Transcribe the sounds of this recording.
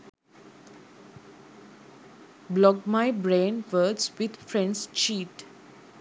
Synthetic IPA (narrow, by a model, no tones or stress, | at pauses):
blɔɡmaɪbɾẽːnʋəːdsʋɪd̪fɾɛ̃nɖst͡ʃiːʈ